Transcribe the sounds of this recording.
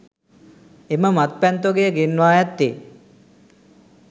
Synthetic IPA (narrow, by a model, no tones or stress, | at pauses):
eməmat̪̚pɛnt̪oɡejəɡenːaːjat̪ːe